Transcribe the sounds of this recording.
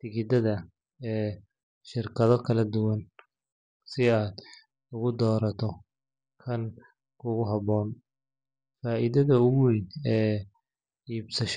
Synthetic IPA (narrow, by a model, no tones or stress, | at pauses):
t̪ɪɣɪd̪ɐðɐ | ɛː | ʃɪrkʰɐðɔkʰɐlɐd̪ʊwɐn | sɪaːd̪ | ʊɣʊd̪ɔːɾɐt̪ʰɔ | kʰɐn | kʰʊɣʊɦɐβɔːn | faːʔiðɐðɐʊwijnɛː | iːbsɐʃ